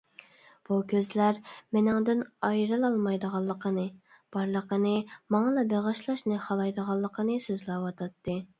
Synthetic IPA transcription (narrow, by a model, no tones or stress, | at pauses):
b̥ukʲøzlæɾmɪnɪŋd̪ɪnɑjɾɨlˠɑlˠmɑjd̪əʁɑlˠːəqʰənɨ | b̥ɑɾlˠəqənɨmɑŋɑlˠɑbeʁɑʃlˠɑʃnɨχɑlˠɑjd̪əʁɑlˠːəqʰənɨsøzlɑwɑt̪ʰɑt̪ːɨ